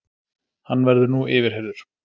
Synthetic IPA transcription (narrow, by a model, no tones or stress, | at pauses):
hanːvɛɾðʏnuɪːvɪɾ̥ɦɛɾðʏɾ̥